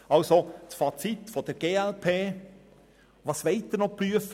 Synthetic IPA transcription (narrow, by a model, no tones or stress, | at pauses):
ɑlsosfɑt͡sitfɔd̪əɾɡ̥eːælpʰeː | ʋɑsʋeɪtːɪɾnɔpɾyəf